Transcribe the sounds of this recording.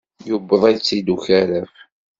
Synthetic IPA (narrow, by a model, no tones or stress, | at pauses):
jubːəðˤæjt͡sːid̪uçæɾæf